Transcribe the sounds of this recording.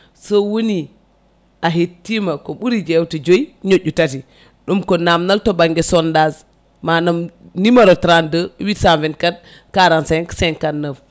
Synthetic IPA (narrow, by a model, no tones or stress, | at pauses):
sowoni | aɦetːimakoɓuɾid͡ʒewtid͡ʒojɲoɟutati | ɗumkonamnaltobaŋɡesondaz | manamnimaɾotɾandəwitsavinkat̚ | kaɾansankseŋkanːəf